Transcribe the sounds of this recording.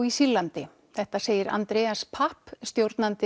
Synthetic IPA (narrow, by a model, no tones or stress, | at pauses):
isilːant̪ɪ | θɛht̪aseːjɪɾa̰nt̪ɾɛːaspʰahpst̪jowɾt̪nant̪ɪ